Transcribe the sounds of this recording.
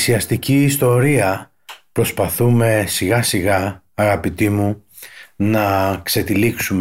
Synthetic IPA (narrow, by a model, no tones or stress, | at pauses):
siɐst̪iciːst̪o̞ɾiɐ | pɾo̞spɐθume̞siɣɐsiɣɐː | ɣɐpit̪imu | nɐkse̞t̪iliksum